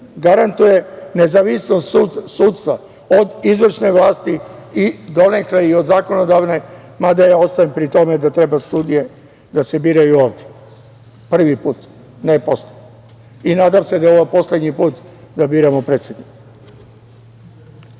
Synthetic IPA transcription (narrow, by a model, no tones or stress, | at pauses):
ɡaɾant̪uje̞nezaʋisnost̪ːsuːt̪st̪ʋa | od̪izʋr̩ʃne̞ʋlˠaːst̪iid̪o̞nekleio̞d̪zaːko̞no̞d̪aʋne̞ | mad̪ajao̞st̪aimpɾit̪o̞med̪at̪ɾe̞bast̪uːd̪ije̞ | d̪ase̞biːɾajuoːʋd̪je̥ | pr̩ʋipuːt̪ | nepo̞sled̪ | inaːd̪amsed̪ao̞ʋojepo̞sle̞d̪ɲipuːt̪ | d̪abiːɾamopɾeːt̪sʲed̪nike̥